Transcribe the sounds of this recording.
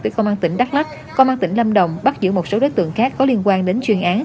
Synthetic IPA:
t̪ɨ˨˩˦kə˧wŋ͡mmaː˧nt̪ï˧˩ŋ̟ɗa˦˥t̚la˦˥t̚ | ko˧ŋ͡mmaː˧nt̪ï˧˩ŋ̟lə˧mɗə˨˩wŋ͡mɓa˦˥t̚zɨ̰˧˨mo˨˩t̚so˨˦ɗoː˨˦jt̪ɨ̰˧˨əŋxaː˦˥kːɔ˨˦li˧ənkwaː˧nɗe˨˦nt͡ɕwi˨˩ənʔaː˨˦n

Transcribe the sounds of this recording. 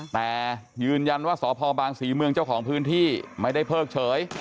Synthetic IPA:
t̪ɛː˨˩jɯː˧nja˧nwaː˥˩sɔː˩˦pʰɔː˧baː˧ŋsiː˩˦mɯ˧əŋt͡ɕa˥˩wkʰɔː˩˦ŋpʰɯː˦˥nt̪ʰiː˥˩ma˥˩jda˥˩jpʰɤː˥˩k̚t͡ɕʰɤː˩˦j

